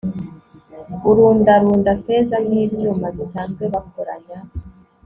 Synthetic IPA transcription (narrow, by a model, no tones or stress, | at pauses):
uɾuːndaɾuːndate̞ːzaniːβɲumaβisaːnzɡwe̞βakoɾa̰ɲa